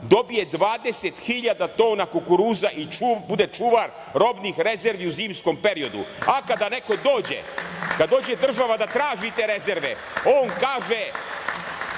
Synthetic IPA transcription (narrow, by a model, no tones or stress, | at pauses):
d̪o̞bije̞d̪ʋaːd̪e̞set̪xiʎad̪at̪o̞ːnakukuɾuːzaʔibud̪e̞t͡ʃuːʋaɾ | ɾo̞bnixɾe̞zeɾʋiuziːmsko̞mpe̞ɾio̞d̪ṵakad̪ane̞ko̞d̪o̞ːd͡ʑḛkad̪ːo̞ːd͡ʑe̞d̪r̩ʒaʋad̪at̪ɾaːʒit̪eɾe̞ze̞ɾʋe̞̰ | oːnkaːʒe